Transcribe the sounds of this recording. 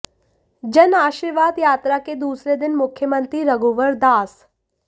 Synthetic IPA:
d͡ʒɐnaːʃiːɾʋaːd̪jaːt̪ɾaked̪uːsɾed̪ɪnmʊkʰjəmənt̪ɾiɾɐɡoːʋəɾd̪aːs

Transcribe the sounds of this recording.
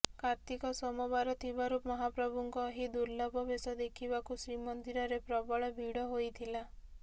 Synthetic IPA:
kaɾt̪ikɔsɔmɔbaɾɔt̪ʰibaɾumɔɦapɾɔbʱuŋkɔɦid̪uɾlɔbɔbesɔd̪ekʰibakusɾimɔnd̪iɾɔɾepɾɔbɔɭɔbʱiɽɔɦojt̪ʰila

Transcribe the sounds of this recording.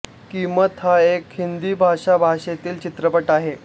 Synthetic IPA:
kimət̪ɦaekhind̪iːbʱaʂabʱaʂet̪iːlt͡ɕit̪ɾəpəʈaɦe

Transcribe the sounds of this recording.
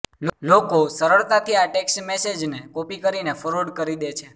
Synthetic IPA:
llokosəɾəɭt̪at̪ʰiaʈeksʈmesed͡ʒnekopikəɾinefʰɔɾoɖkəɾid̪et͡ʃʰe

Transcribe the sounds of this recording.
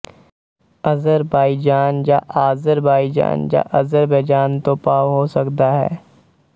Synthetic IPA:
ɐzəɾbaːid͡ʒaːnjaʔaːzəɾbaːid͡ʒa̰ːnja̰ʔɐzəɾbeːd͡ʒaːnt̪opaːʋɦosɐkt̪aɦɛ̰ː

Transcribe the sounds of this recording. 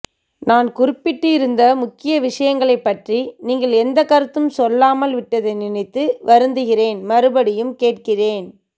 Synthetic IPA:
naːnkʊrɪpːɪʈːɯɪɾɯnd̪ɐmʊkːɪjɐʋɪʂɐjɐŋɡɐɭɐɪpːɐʈriniːŋɡɐɭɛnd̪ɐkːɐɾɯt̪ːɯmsɔlːaːmɐlʋɪʈːɐðɐɪnɪnɪt̪ːɯʋʔɐɾɯnd̪ɯɣɪreːnmɐɾɯbɐɽɪjɯmkeːʈkɪreːn

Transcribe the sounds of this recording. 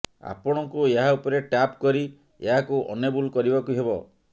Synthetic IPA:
a̰pɔɽ̃ɔkueɦaupɔɾeʈapkɔɾi | ḛɦakuʔɔ̰nebulkɔɾibakuɦebɔ

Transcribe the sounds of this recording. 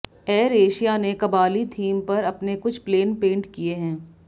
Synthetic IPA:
ɛːɾeːʃijanekɐbaːlit̪ʰiːmpɐɾɐpnekʊt͡ʃʰpleːnpẽːɳʈkieɦɛ̃ː

